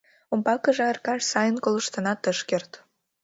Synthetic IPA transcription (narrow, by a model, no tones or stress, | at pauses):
ompɑkə̆ʒeərkɑʃsɑjənkolə̆ʃt̪ə̆nɑt̪əʃkert̪